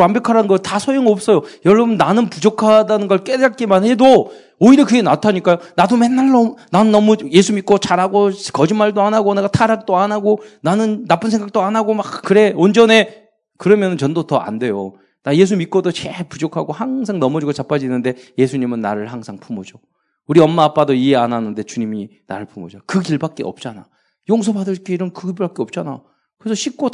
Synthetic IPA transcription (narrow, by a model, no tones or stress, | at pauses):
wambjʌkʰaɾanɯnɡʌtasʰojoŋʌp̚s͈ʌjojʌɭːʌbɯnːanɯnpud͡ʑokʰadanɯnɡʌɭk͈edaɭ̚k͈emanhe̞doː | iɾʌkɯɡe̞natʰaɲik͈ajonadome̞nːaɭːʌnanɯnːʌmuje̞sʰumit̚k͈ot͡ɕaɾaɡokʌd͡ʑinmːaɭdoanaɡoneɡatʰaɾak̚t͈oanaɡonanɯnːap͈ɯnsʰeŋɡak̚t͈oanaɡomakkɯɾe̞ond͡ʑʌne̞ | kɯɾʌmjʌnɯnt͡ɕʌndotʌʔa̰nde̞jo | naje̞s̬ʰumit̚k͈odot͡ɕepud͡ʑokʰaɡohaŋs̬ʰaŋnʌmʌd͡ʑiɡot͡ɕap͈ʰad͡ʑinɯnde̞je̞sʰuɲimɯnːaɾɯɭhaŋsʰaŋpʰumod͡ʑo | uɾiʌnmːaːp͈adoie̞ananɯnde̞t͡ɕuɲimina̰ɾɯɭpʰumod͡ʑakɯkiɭbak̚k͈e̞̰ʌ̰p̚t͡ɕ͈ana | joŋs̬ʰʌbadɯɭk͈eiɾʌmkɯɡibbak͈̚eʌp̚t͡ɕ͈ana | kɯɾesʰʌɕʰik̚k͈o